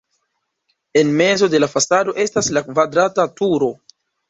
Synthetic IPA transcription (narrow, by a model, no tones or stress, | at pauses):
e̞nme̞zo̞de̞lafasado̞ʔe̞staslakvadɾatatuɾo̞